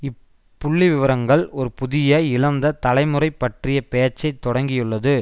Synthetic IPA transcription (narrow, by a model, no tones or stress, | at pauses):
ɪp | pːʊɭːiʋɪʋɐɾɐŋɡɐɭɔɾɯpʊðɪjɐɪlɐnd̪ɐt̪ɐlɐɪmɯrɐɪpːɐʈrɪjɐpɛjɐt͡ʃːɐɪt̪ːɔɽɐŋɡɪjɯɭːɐðɯ